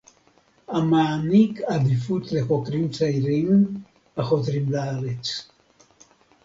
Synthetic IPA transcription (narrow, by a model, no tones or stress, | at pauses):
amaːnikʰad̪ifut̪lexokɾimt͡sajɾiŋ | axot̪ɾimlaɾet͡s